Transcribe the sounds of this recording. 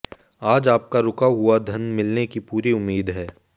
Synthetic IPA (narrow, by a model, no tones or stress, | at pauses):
aːd͡ʒaːp̚kaɾʊkaɦʊad̪ʱɐnmɪlnekipuːɾiʊmːiːd̪ɦɛː